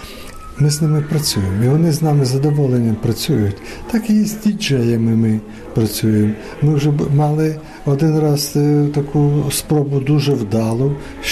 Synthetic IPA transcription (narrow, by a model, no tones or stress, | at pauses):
mɪznɪmɪpɾɐt͡sʲujemiʋɔnɪznɑmɪzɐd̪ɔʋɔlˠenʲːɐmpɾɐt͡sʲujʊtʲ | t̪ɑkijɛsʲtʲid͡ʒɛjɐmɪmɪ | pɾɐt͡sʲujem | mɪwʒɛmɑlˠɪ | ɔd̪ɪnrɑz̥t̪ɐkʰuspɾɔbʊd̪uʒɛwd̪ɑlˠʊ